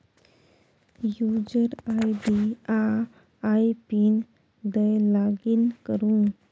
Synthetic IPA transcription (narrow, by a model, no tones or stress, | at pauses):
jud͡ʑəɾajɖia | ajpin | d̪əjlaɡinkəɾũ